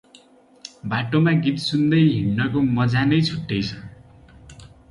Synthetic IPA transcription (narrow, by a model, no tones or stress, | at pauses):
baʈomaɡit̪sund̪ʌjɦiɽnʌkomʌd͡zanʌjt͡sʰuʈːʌjt͡sʰʌ